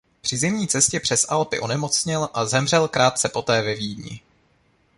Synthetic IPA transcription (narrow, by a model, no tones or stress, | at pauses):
pr̝̥ɪzɪmɲiːt͡sɛscɛpr̝̥ɛsʔalpɪ̰ʔo̞nɛmo̞t͡sɲɪlʔazɛmr̝ɛlkɾaːt̪̚t͡sɛpo̞t̪ɛːvɛviːdɲɪ̰